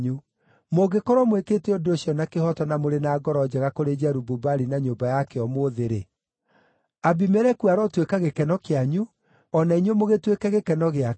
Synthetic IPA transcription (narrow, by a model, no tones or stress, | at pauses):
ɲu | moɡekɔɾɔmweketɛodoɕjɔnakehɔtɔnamoɾenaːɡɔɾɔd͡ʑɛɣakoɾed͡ʑɛɾububaɾinaɲoːmbajakɛɔmoðeɾe | abimɛɾɛkuaɾɔtwekaɣekɛnɔkeaɲu | ɔnaiɲwemoɣetwekɛɣekɛnɔɣea